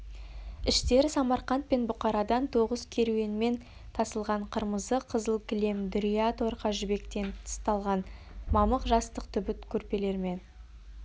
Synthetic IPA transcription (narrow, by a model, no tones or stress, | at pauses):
ɪʃt̪e̞ɾɪsɑmɑɾqɑnt̪̚pe̞nbʊqɑɾɑd̪ɑnt̪ʰo̞ʁəzkʲʰe̞ɾuwe̞nme̞n | t̪ʰɑsəlˠʁɑɴqʰəɾməzəqʰəzəlˠkʲʰɪle̞md̪ɾijat̪oɾqɑʒʏbe̞kt̪e̞nt̪ʰə̥st̪ɑlˠʁɑn | mɑməqʒɑst̪əqt̪ʰʏbɪt̪kʲʰɵɾpe̞le̞ɾɪme̞n